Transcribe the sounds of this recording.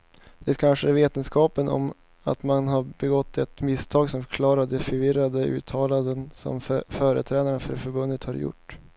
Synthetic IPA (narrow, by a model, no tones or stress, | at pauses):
d̪̥ɛæt̪kʰanʂəæɾveːt̪ənskɑːpənʔɔ̰m | a̰t̪manɦaɾbɛɡɔt̪ʰːɛt̪mɪst̪ʰɑːɡsɔmfɾkʰlɑːɾad̪ɛfœɾvɪɾad̪əʉ̟̰ːt̪ʰɑːland̪ənsɔ̰mfœːɾə̰t̪ʰɾɛːnaɾəɳafœ̰ɾfœɾbɵnːət̪haɾjʊ̰ʈː